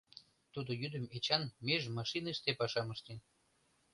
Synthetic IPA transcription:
t̪ud̪ojyd̪əmet͡ɕɑnmeʒmɑʃinəʃt̪epɑʃɑməʃt̪en

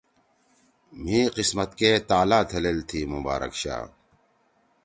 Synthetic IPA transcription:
m̤ĩːqismɐt̪keːt̪aːlaːt̪ʰɐleːlt̪ʰiːmuba̰ːɾɐ̰kɕa̰ː

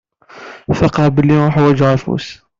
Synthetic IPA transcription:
fɑqɑbəlːiɾuħwæd͡ʒʕæfṵs

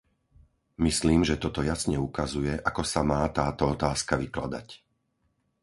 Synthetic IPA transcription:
misliːmʒɛt̪ɔt̪ɔjasɲɛukazujɛʔakɔsamaːt̪aːt̪ɔɔt̪aːskaʋiklad̪a̰c

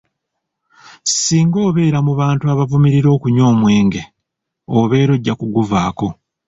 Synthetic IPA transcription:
siːŋɡo̞ːβe̞ːɾamuβaːntuaβavumiɾiɾo̞ːkuɲo̞ːmwe̞ːŋɡe̞ | oβe̞ːɾo̞ɟːakuɡuvaːko̞

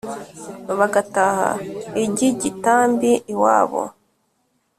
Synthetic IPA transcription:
βaɡataha̰iɟiɟitaːmbiʔwa̰ːβo̰

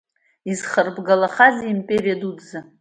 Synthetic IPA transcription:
izχərbɡalaχaziːmpʼerijadudʼza

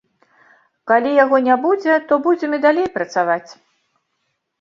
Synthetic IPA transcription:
kalʲijaɣɔnʲabud͡zʲɛt̪ɔbud͡zʲɛmid̪alʲejpɾɐt̪savat͡sʲ

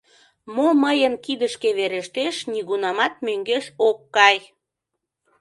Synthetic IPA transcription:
moməjənkid̪əʃkeβeɾeʃt̪eʃniɣunɑmɑt̪̚møŋɡeʃokːɑj

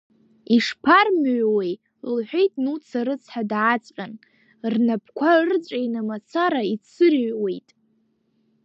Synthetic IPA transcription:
iʂpʰarmʕʷwej | lħʷᶣe̞jtʼnut͡sʰaɾɨt͡sʰħadʕat͡sʼqʲʼan | rnapʰkʷʰart͡sʷʼejnamat͡sʰaɾait͡sʰɨrɥwe̞jtʼ

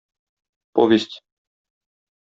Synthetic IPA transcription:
pɔvʲjest͡ɕ

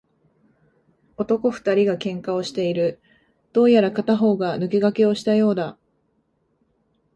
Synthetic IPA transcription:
o̞t̪o̞ko̞ɸɯ̟̥t̪aɾʲiɡakẽ̞ŋkao̞ɕi̥t̪e̞iɾɯ̟ | d̪̥o̞ːjaɾakat̪aɦo̞ːɡanɯ̟ke̞ɡake̞o̞ɕi̥t̪ajo̞ːd̪a

